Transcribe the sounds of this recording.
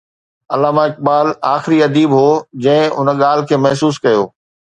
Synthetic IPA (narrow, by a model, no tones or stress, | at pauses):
ɐlaːmaɪk̚baːlaːxɪɾiɐd̪iːbɦoːd͡ʑɐ̃ɦɪ̃ʊnə̆ɠaːl̤ɪ̆kʰeːmɐɦsuːskɐjoː